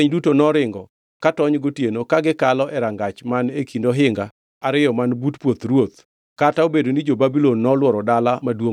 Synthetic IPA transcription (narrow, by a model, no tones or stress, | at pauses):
ɲdutonɔɾɪŋɡɔ | katɔɲɡotjenokaɡɪkalɔʔɛɾaŋɡat͡ʃmanekʰindoɦɪŋɡa | aɾɪjɔmanbutpwot̪ɾwot̪ | kataobedonid͡ʒobabilonːɔlwɔɾɔdalamadwo